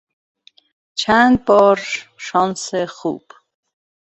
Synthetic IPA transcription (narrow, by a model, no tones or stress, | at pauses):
t͡ʃʰand̪̚bɔːɾʃɔnsɛχṵːb̥